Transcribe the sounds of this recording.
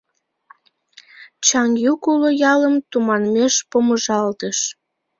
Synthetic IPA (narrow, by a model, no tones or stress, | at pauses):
t͡ɕɑŋjukulojɑləmt̪umɑnmeʃpoməʒɑlt̪əʃ